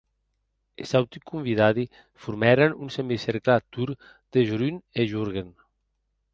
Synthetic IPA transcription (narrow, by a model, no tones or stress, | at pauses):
ḛsawt̪ikumbiðaði | fuɾmɛɾanunsemiseɾklat̪uɾ | d̪eʒuɾyneʒuɾɣen